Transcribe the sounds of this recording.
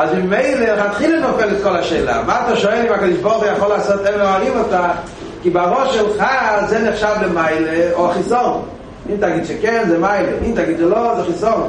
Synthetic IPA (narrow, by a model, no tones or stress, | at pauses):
azmɪmeɪleχat̪χilənɔfɛlɛtkɔlaʃɛɪla̰maataʃɔɛlimakɔd̪iʃbɔʁχujaχɔlasɔt̪ɛveoaʁimɔta | kibɪaʁɔʃɛlχazɛnɛχʃavləmaɪleoaχisɔn | intaɡitʃɛkɛnzɛmaɪlenimtaɡitʃɛlozɛχisɔn